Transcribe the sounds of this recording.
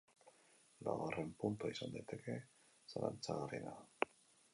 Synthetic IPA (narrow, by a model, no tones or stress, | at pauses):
la̰ɣarempunt̪uaisand̪ajt̪ʰe̞ke̞ | sala̰nt͡saɣarina